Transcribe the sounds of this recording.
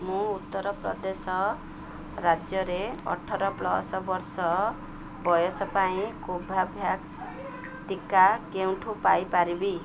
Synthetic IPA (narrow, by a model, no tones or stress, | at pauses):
mũut̪ːɔɾɔpɾɔ̰d̪esɔ | ɾad͡ʒjɔɾeɔ̰ʈʰːɔɾɔplɔ̰sɔbɔɾsɔ | bɔjɔsɔpaĩkobʱabʱjaks | t̪ikakew̃ʈʰupajpaɾibi